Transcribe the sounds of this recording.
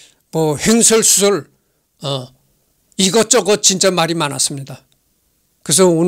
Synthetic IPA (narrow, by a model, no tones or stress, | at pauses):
mʌheŋsʰʌɭsʰu̥sʰʌɭ | ʌ | iɡʌt͡ɕ͈ʌɡʌt͡ɕint͡ɕ͈amaɾimanas͈ɯmɲida | kɯs̬ʰʌon